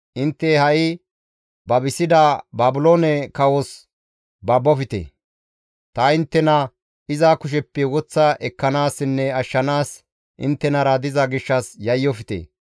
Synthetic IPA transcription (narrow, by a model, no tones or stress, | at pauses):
ʔɪnt̪ːɛhɐʔɪ | bɐbɪsɪd̪ɐbaːbʊloːnɛkɐwɔs | bɐbːɔfɪt̪ḛ | t̪ɐɪnt̪ːɛnɐ | ɪzakʊʃ̬ɛpːɛwɔt͡sːɐʔɛkːɐnaːsːɪnːɛɐʃːɐnaːs | ʔɪ̰nt̪ːɛnɐɾɐd̪ɪzɐɡɪʃːɐsjɐjːɔfɪt̪ḛː